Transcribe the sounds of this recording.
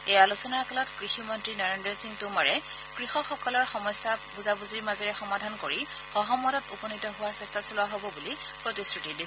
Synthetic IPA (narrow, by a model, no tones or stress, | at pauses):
ealusɔnaɹkɔlɔtkɹiximɔntɹinɔɹendɹɔsiŋtʊmaɹɛ | kɹixɔxɔkɔlɔɹxɔmɔjsːabuzabuziɹmazɔɹɛxɔmadʱankoɹi | xɔɦɔmːɔtɔtupɔnitɔɦʊwaɹsɛstʰasulʊwaɦobɔbuli | pɹotisɹutidi